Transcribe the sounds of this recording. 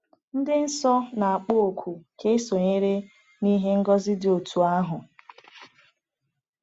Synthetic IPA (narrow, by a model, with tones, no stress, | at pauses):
n̩˦dɪ˦n̩˦sɔ˦na˨a˨k͡po˦o˨kʷʰu˨kʰe˦so˨ɲe˦ɾe˦ | ni˦ɦe˦ŋ̩˦ɡɔ˦zɪ˦dɪ˨o˨tʰu˨a˦ɦʊ˨